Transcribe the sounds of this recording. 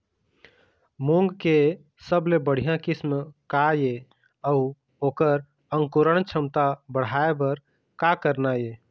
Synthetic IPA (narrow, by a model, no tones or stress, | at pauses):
mũŋɡke | səblebəɽ̤ijãkɪsmkaje | əu | oːkəɾ | əŋkuɾəɽt͡ʃʰəmt̪abəɽ̤aebəɾ | kakəɾnaje